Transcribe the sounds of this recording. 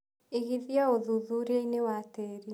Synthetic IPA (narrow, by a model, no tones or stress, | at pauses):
eɣiðjaoðuðuɾeinewateɾi